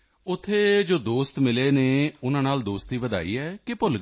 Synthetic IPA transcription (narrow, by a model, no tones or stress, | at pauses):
ʊt̪ʰːeːd͡ʒoːd̪oːst̪mɪleːneːʊnãːnaːld̪oːst̪iːʋəd̪a̰ːḭːɛːkɪpʊlɡ